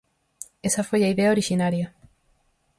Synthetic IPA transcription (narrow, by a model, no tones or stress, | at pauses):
esɐfojɐiðeɐoɾiʃinaɾjɐ